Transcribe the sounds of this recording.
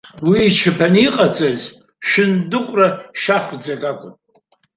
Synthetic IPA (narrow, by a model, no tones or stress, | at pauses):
wiːt͡ʃʰɨpʰaniqʼat͡sʼaz | ʃɪndɨqʷʼraʃaχʷd͡zaɡʼakʷʼʊn